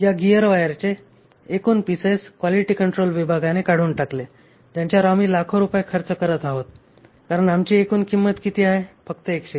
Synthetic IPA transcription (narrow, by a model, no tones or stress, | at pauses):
jaɡijəɾʋajəɾt͡ɕeː | kuːnpiseskʋaliʈiːkəɳʈɾolʋibʱaɡanekaɽ̤uːnʈakle | d͡ʑjaɲt͡ɕjaɾamiːlakʰoɾupajekʰəɾt͡səkəɾət̪aɦot̪ | kaɾəɳamt͡ɕiːekuːnkimːət̪kit̪iːaɦefəkt̪əekɕe